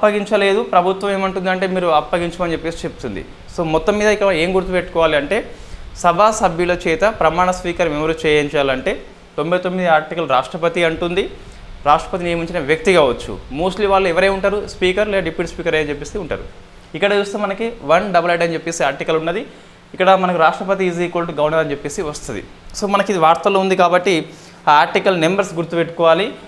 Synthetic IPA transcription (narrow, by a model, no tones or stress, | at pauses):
ɐpːɐɡiɲt͡ʃɐle̞ːd̪upɾɐbʱut̪ʋɐmeːmɐɳʈund̪ɐɳʈe̞ːmiːɾuɐpːɐɡiɲt͡ʃɐmɐnt͡ʃepːeːsi̥t͡ʃep̚t̪und̪ḭ | so̞ːmɔt̪ːɐmːiːd̪ɐikːɐɽɐɐe̞ːmɡuɾt̪̬upeʈːukɔːʋaːliɐɳʈe̞ːsɐbʱaːsɐbʱjuloːt͡ʃɛːt̪ɐpɾɐmaːɳɐspiːkɐɾmiʋɐɾuːt͡ʃɛːjɐnt͡ʃɛːjaːlɐɳʈe̞ː | t̪o̞mbɐjt̪o̞mːid̪iaːɾʈikɐlɾa̰ːʂʈɾɐpɐt̪iɐɳʈund̪i | ɾaːʂʈɾɐ̥pɐt̪̬ineːmɐɲt͡ʃinɐʋjɐk̚t̪iɡaːʋɐt͡ʃːṵmuːsliʋaːɭːuɛʋɐɾeːuɳʈaːɾuspiːkɐɾlɛːɖipiːʈspiːkɐɾɐjɐnt͡ʃepːesiuɳʈa̰ːɾṵ | ikːɐɽɐt͡ʃuːst̪oːmɐnɐkiʋɐnɖɐbɐlɐɖɐnt͡ʃepːeːsiaːɾʈikɐlunːɐd̪i | ikːɐɽɐmɐnɐkuɾaːʂʈɾɐpɐt̪̬iiːz̬ikoːlʈɡɐwɐnɐɾɐnt͡ʃepːeːsiʋɐst̪und̪ḭ | so̞ːmɐnɐkid̪iʋaːɾt̪ɐlo̞ːund̪ikaːbɐʈːi | aːɾʈikɐlnembɐɾsɡuɾt̪upeʈːu̥kɔːʋaːli